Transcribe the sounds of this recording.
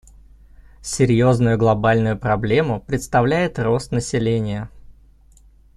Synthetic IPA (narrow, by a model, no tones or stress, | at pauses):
sʲɪɾʲjo̞znʊjʊɡlˠɐbalʲnʊjʊpɾɐblʲe̞mʊpɾʲɪt̪st̪ɐvlʲæjɪt̪ro̞st̪nəsʲɪlʲenʲɪjə